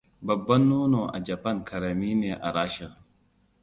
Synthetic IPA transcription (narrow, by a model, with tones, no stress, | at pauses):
bɐ˨bːɐ˦nːuː˦no˨ʔa̰˨d͡ʒɐ˨pɐ˦ŋkʰɐ˨ɾɐ˨miː˦neː˨ʔa̰˨ɾaː˦ʃa˨